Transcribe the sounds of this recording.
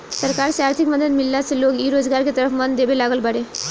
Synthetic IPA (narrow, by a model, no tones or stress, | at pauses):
səɾkaɾsaɾt̪ʰikməd̪ʱət̪milːat͡selokiɾod͡zɡaɾket̪əɾəfmənd̪ebelaɡəlbəɽe